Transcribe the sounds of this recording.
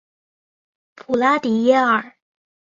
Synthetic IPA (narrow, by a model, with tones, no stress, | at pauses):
pʰu˨˩la˥t̪i˨˩jɛ˥ə˨˩